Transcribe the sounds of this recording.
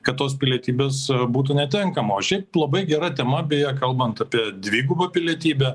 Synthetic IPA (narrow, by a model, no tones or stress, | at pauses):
kɐtt̪ːoːspʲɪlʲiɛt̪ʲiːbʲeːsbuːt̪̬ʊnʲɛt̪ʲɪŋkɐmoːʃʲɛɪplˠɐbɐɪɡʲɛɾɐt̪ʲɛmɐbʲeːjɛkɐlˠbɐnt̪ɐpʲiɛd̪ʲʋʲiːɡʊbɐpʲɪlʲiɛt̪ʲiːbʲɛ